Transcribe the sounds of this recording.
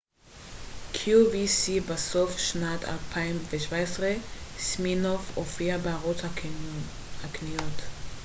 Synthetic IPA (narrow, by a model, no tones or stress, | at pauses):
kʰjuvisibasofʃnatʰa̰lpʰaimveʃvaesʁesminofofiabeaʁota | aknijot